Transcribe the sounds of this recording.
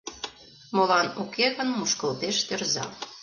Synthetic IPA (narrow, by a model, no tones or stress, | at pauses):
molɑnukeɣənmuʃkə̆lt̪eʃt̪erzɑ̰